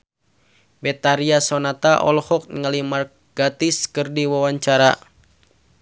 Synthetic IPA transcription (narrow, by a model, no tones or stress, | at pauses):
bɛt̪aɾiasɔnat̪aʔɔ̰lhɔk̚nəŋalimar | ɡ̥at̪iskɨrdiwawaɲt͡ʃaɾa